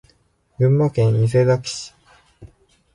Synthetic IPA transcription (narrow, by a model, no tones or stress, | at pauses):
jɯ̟̃mːakẽɰ̃is̬ed̪aki̥ɕi̥